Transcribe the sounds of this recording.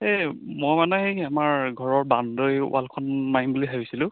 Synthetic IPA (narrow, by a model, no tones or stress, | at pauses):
emojmanɛɦeamaɹɡʱɔɹɔɹbandojʊ̰ʔalkʰɔnmaimbuliɦabisilʊ̃